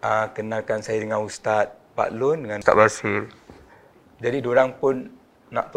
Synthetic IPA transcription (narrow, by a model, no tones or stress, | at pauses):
akənalkansajadəŋãnust̪at̪̚pa̰ʔlʊndəŋanst̪a̰basil | d͡ʒadidoɾaŋpʊnː | a̰ʔt̪u